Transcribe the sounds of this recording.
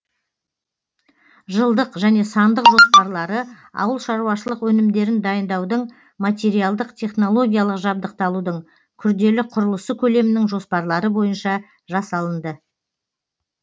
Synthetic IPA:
ʒəlˠd̪əqʒæne̞sɑnd̪əqʒo̞spɑɾlˠɑɾə | ɑ̰wəlˠʃɑɾuwɑʃəlˠəqwɵnɪmd̪e̞ɾɪnd̪ɑjənd̪ɑwd̪əɴ | mat̪ʲe̞ɾijɑlˠd̪əqt̪ʰe̞χno̞lˠo̞ɡʲijalˠəqʒɑbd̪əq̚t̪ɑlˠud̪əɴ | kʲʰʏɾd̪e̞lɪqʰʊɾəlˠəsəkʲʰɵle̞mɪnɪŋʒo̞spɑɾlˠɑɾəbo̞jənʃɑ | ʒɑsɑlˠənd̪ə

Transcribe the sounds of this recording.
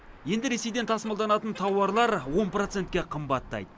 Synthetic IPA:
je̞nd̪ɪɾe̞sejd̪e̞nt̪ʰɑsmɑlˠd̪ɑnɑt̪ənt̪ʰɑwɑɾlˠɑɾwo̞nprot̪se̞nt̪kʲe̞qʰəmbɑt̪ːɑ̰jd̪ə

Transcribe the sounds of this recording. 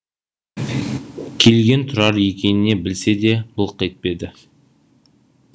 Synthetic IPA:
kʲʰe̞lɡʲe̞nt̪ʰʊɾɑɾje̞kʲe̞nɪne̞bɪlse̞d̪e̞bʊlˠqet̪̚pe̞d̪ɪ

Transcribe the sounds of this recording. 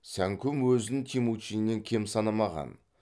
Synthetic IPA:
sæŋkʲʰʊmwɵzɪnt̪ʲʰimut͡ʃinːe̞ŋkʲʰe̞msɑnɑmɑʁɑ̰n

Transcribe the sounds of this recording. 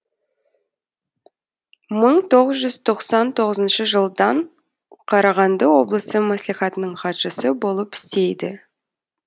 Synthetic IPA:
məɴt̪ʰo̞ʁəzʒʏzt̪ʰo̞qsɑnt̪ʰo̞ʁəzənʃəʒəlˠd̪ɑɴ | qʰɑɾɑʁɑnd̪əwo̞blˠəsəmæsliχɑt̪ənəɴχɑt̪ʒ̥əsəbo̞lˠəpɪ̥st̪e̞jd̪ɪ̰

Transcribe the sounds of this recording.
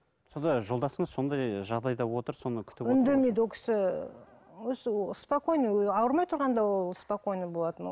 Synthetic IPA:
so̞nd̪ɑʒo̞lˠd̪ɑsəɴəzso̞nd̪ɑjʒɑʁd̪ɑjd̪ɑwo̞t̪əɾso̞nəkʲʰʏ̥t̪ɪʏnd̪emejd̪wo̞lkʲʰɪ̥sɪ | wɵzɪospoko̞jnəɑwəɾmɑjt̪ʰʊɾʁɑnd̪ɑwo̞lˠspoko̞jnəbo̞lˠɑt̪ən̰

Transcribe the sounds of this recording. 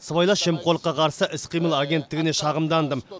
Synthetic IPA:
səβɑjlˠɑʃe̞mqʰo̞lˠəqːɑqʰɑɾsəʔɪsqʰijməlˠaɡʲe̞nt̪ːɪɡʲɪne̞ʃɑʁəmd̪ɑnd̪əm

